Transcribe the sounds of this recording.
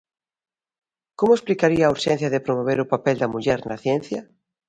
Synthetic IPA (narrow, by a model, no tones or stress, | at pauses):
komʊesplikaɾiaːuɾʃɛn̟θjɐðɪpɾomoβ̞eɾʊpapɛld̪ɐmuʎɛɾnɐθjɛn̟θjɐ